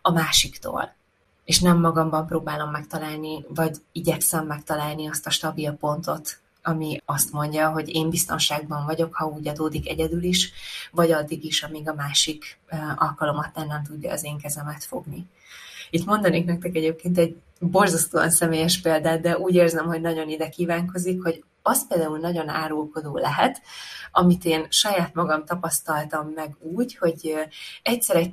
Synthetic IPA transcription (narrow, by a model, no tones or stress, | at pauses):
ɒmaːʃikt̪o̰ːl | eːʃnɛmːɒɡɒmbɒmproːbaːlo̞mːɛkt̪ɒlaːlnivɒɟiɟɛksɛmːɛkt̪ɒlaːlniɒst̪ɒʃt̪ɒbilpo̞nt̪o̞t̪ | ɒmiɒst̪mo̞ɲɟɒɦo̞ɟeːmbist̪o̞̰nʃaːɡbɒɱvɒɟo̞khɒuːɟɒd̪oːd̪ikɛɟɛd̪yliʃvɒɟɒd̪ːiɡiʃɒmiɡɒmaːʃikːʔɒ̰lkɒlo̞mɒt̪ːɛnːɛnt̪̬uɟːɒːzeːŋkɛzɛmɛt̪fo̞̰ɡni | it̪mo̞nd̪ɒneːknɛk̚t̪ɛkɛɟeːp̚keːnt̪ɛɟ̚ | bo̞rzɒst̪oːɒ̰nsɛmeːjɛʃpeːld̪aːt̪̚d̪ɛʔuːɟeːrzɛmho̞ɟnɒɟo̞nid̪ɛkiːvaːŋko̞zikho̞ɟ | ɒst̪peːld̪aːulnɒɟo̞na̰ːɾoːko̞d̪oːlɛɦɛt̪ɒmit̪eːnʃɒjaːt̪mɒɡɒmt̪ɒpɒst̪ɒlt̪ɒmːɛɡuːɟho̞ɟɛcsɛɾɛc